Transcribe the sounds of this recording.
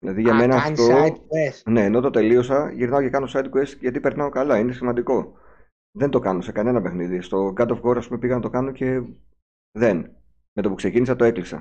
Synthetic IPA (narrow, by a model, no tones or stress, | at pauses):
ðilɐðiʝɐme̞nɐːft̪o̞esne̞ːno̞t̪o̞t̪e̞lio̞sɐʝiɾnɐocekɐnoosɐjd̪̚kesʝɐt̪ipe̞ɾnɐo̞kɐlɐine̞simɐnd̪iko̞ | ðe̞nd̪o̞kɐnose̞kɐne̞nɐpe̞xniðist̪o̞ɡɐd̪ofɣo̞ɾɐspume̞piɣɐnɐt̪o̞kɐnoce̞ | ðe̞n | me̞t̪opukse̞cinisɐt̪oe̞klisɐ̰